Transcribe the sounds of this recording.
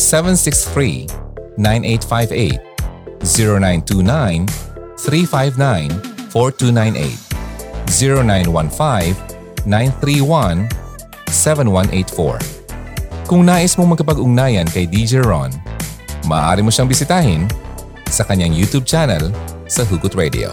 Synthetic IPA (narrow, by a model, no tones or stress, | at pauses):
sɛvɛnsɪksθɹḭnãjnʔejt̪fajvḛjt̪̚ziɹonajnt̪uːnajn | θɾifajvnãjnfoɹt̪uːnajnʔḛjt̪̚ziɹonajnwɐ̃nfajv | najnθɾiːwɐn | sɛvɛnwanʔejt̪fo̰ɹ | kʊŋnaːʔɪsmoŋmɐɡ̚kɐpɐɡʊŋnaːjɐnkɐjd̪id͡ʒɛɹo̰nmɐːʔa̰ːɾimoʃaŋbɪsɪt̪aːhɪn | sɐkɐɲːaŋjuːt̪ub̚t͡ʃanɐ̰l | sɐɦuːkʊt̪ɹɛd̪ɪ̰o̰